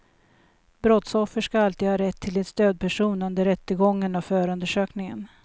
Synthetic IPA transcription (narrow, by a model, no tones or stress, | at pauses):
bɾɔt̪sɔfːəʂkaalt̪iːd̪hɑːɾɛt̪ʰːɪlɛt̪st̪øːd̪̚pʰæʂuːnɵnd̪əɾːɛt̪ːəɡɔŋːənavfœːɾɵnd̪əʂøːknɪŋə̰n